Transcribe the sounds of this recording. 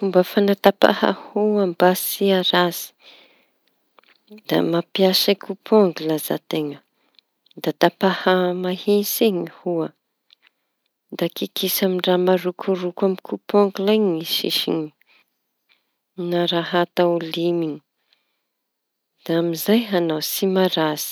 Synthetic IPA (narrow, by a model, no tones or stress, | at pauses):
fumbəfanat̪apa̰ha̰huambasiaɾaz̥i̥ | d̪̥a̰mapiasakupʰoŋɡilaza̰t̪eŋə | d̪at̪apahamahinsiŋihuə | d̪akikʰisamiɳramaɾukʰurukamikupoŋɡulajɲiʃḭʃḭɲi̥ | naɾaɦat̪aulimiɲi̥ | d̪̥aamizajɦanawsimaɾaz̥i̥